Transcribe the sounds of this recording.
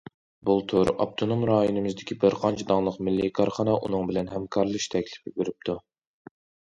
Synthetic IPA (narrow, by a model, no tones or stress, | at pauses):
bulˠt̪ʰuɾʔɑ̰b̚t̪ʰonomɾɑːjonɨmɨzd̪ɪkʲʰibɪɾqʰɑnt͡ʃʰɛd̪ɑŋlˠəqmɪlːikʰɑɾχɑnɑʔṵnɨŋbɪlɛnɦɛmkʰɑɾlˠɨʃt̪ʰɛkʲlɪ̥pibeɾɪp̚t̪ʰu